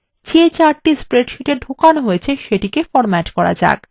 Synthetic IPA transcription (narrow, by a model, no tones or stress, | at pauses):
t͡ɕʰet͡ɕaɾʈispɾeɖʃuʈeɾɖʱokanɦoet͡ɕʰeʃeʈikefɔɾmɛʈkɔɾa̰d͡ʑa̰k